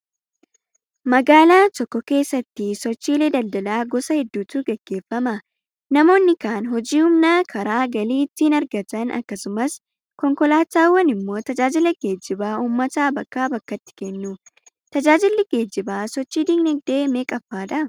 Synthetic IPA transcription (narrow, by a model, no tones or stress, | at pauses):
mɐɡaːlaːt̪ɔkːɔke̞ːsːɐt̪ːɪsɔt͡ʃːiːleːd̪ɐld̪ɐlaːɡɔsɐhɛd̪ːuːt̪uːɡɛɡ̥ːe̞ːfːɐmɐ | nɐmo̞ːnːɪkaːnɦɔd͡ʒiːhʊmnaːkʰɐɾaːɡɐliːt̪ːiːnɐɾɡɐt̪ɐnʔɐ̰kːɐsʊmɐs | kɔŋkɔlaːt̪aːwːɐnɪmːo̞ːt̪ɐd͡ʒaːd͡ʒɪlɐɡ̥e̞ːd͡ʒːɪbaːuːmːɐt̪aːbɐkːaːbɐkːɐt̪ːɪ̥kɛnːʊ | t̪ɐd͡ʒaːd͡ʒɪlːɪɡe̞ːd͡ʒːɪbaːsɔt͡ʃːiːd̪iɡnɛɡ̚d̪e̞ːmeːkʼɐfːaːᶑɐ